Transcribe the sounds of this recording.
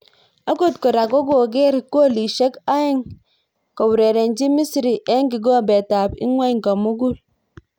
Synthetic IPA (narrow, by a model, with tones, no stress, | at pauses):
a˦ko˦˨tko˨ɾa˨ɡo˦ɡo˨ɡe˦ɾi˨ko˦˨li˨ʃe˦ka˦i˦ŋ | ko˨wu˨ɾe˨ɾe˨nd͡ʒi˦mi˦si˨ɾi˨ʔe˦ŋki˨ɡo˦˨be˨ta˨pḭ˦ŋwa˦i˦˨ŋka˨mu˦ɡu˦l